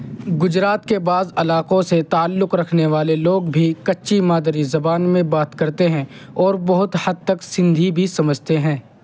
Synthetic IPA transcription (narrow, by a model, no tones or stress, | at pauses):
ɡʊd͡ʒɾaːt̪kebaːzɐlaːqõset̪aːlːʊqɾɐkʰneʋaːleloːɡbʱikɐtːʃimaːd̪ɾizɐbaːnmẽbaːt̪kɐɾt̪eɦɛ̃ | ɔːɾbɐɦʊt̪hɐd̪̚t̪ɐksɪ̃nd̪ʱibʱisɐməd͡ʒʱt̪eɦɛ̃ː